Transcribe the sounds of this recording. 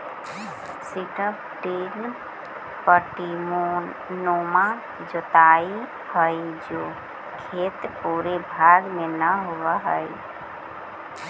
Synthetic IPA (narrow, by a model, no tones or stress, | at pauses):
siʈəp | ʈin | pəɾʈimo | noːma | d͡ʒot̪aːi | həid͡ʒoː | kʰeːt̪puːɾebʱaːɡmẽnəɦoʋaɦə̰i